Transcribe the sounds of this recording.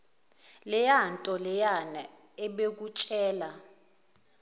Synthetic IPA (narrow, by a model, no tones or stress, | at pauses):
lɛjantʼɔlɛjana | ɛɓek̬ut͡ʃʼɛːla